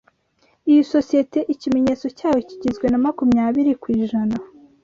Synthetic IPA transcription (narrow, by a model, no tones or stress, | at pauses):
ijisosije̞te̞ʔicime̞ɲe̞ːt͡so̞caːwo̞ciɟizɡwe̞namakumɲaːβiɾikwiːʒana